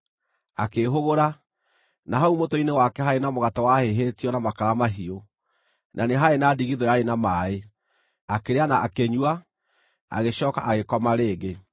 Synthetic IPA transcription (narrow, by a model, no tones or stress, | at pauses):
akeɦoɣoɾa | naɦaumotoinewakɛɦaenamoɣatawaheɦeːtiɔnamakaɾamaɦio | nʔaneɦaenaːdiɣiðɔjaenamaːe | akeɾeanaʔakeɲwa | a̰ɣeɕɔːkaʔaɣekɔmaɾeːɡe